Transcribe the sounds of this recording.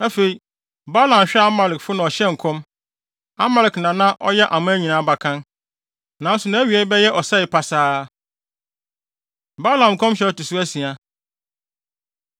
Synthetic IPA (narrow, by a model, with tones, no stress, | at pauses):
a˦fe˨i˨ | ba˦lã˨mɕᶣɛ˦a˦ma˨lɪ˨kfʊ˦nã˨ɔ˨ɕɛ˦ŋ̩˨kʰɔ̃˦m | a̰˦mɛ˨ɾɪ˨knã˨nã˦ʔɔ˦jɛ˦ʔa˨mʊ̃˦æ˦ɲĩ˨nãː˨˦ba˨kʰã˦n | nã˨˦n˦sʊ˨nã˨˦æ˦ɥi˨ɛ˨˦bɛ˦jɛ˦ʔɔ˨sɛ˦ɪ˨pʰa˨saː˦ | ba˦lã˨m˨kʰɔ̃˦mɕᶣɛ˦˨tʊ˨sʊ˦æ˦si˨a˨